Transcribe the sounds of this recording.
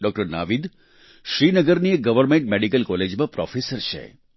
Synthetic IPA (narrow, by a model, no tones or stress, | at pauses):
ɖɔk̚ʈɐɾna̰ʋid̪ | ʃɾinəɡəɾnijeɡɐʋəɾmeɳʈ̚meɖikɐlkɔled͡ʒmɐpɾɔ̰fʰesəɾt͡ʃʰɛ̰